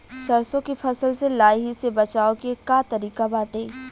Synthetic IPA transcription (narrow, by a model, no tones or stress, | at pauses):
sɐɾsõkifʰɐsəlselaːjɦisebɐt͡ʃaːokekat̪ɐɾiːkabaːʈeː